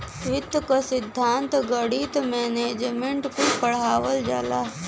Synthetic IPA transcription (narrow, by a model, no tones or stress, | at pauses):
ʋɪt̪kasɪd̪ʱːaːnt̪ɡəɽit̪meːneːd͡ʒmẽɳʈkupəɽ̤aːʋəld͡ʒa̰laː